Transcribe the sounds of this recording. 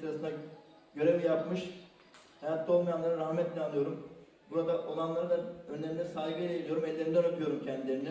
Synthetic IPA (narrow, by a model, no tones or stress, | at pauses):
ɾasɯna | ɟø̞ɾɛvjapmɯʃ | hajat̪ːolˠmajanlˠaɾɯɾahmɛt̪lʲɛanːˠɯjo̞ɾum | buɾad̪aʔo̞lˠanlˠaɾɯd̪aø̞nlʲeɾinʲɛisaːɦiɡɯelʲejelˠijo̞ɾumɛlːʲe̞ɾind̪ɛnat̪ʰɯjo̞ɾumcʰɛnd̪ileɾind̪ɛ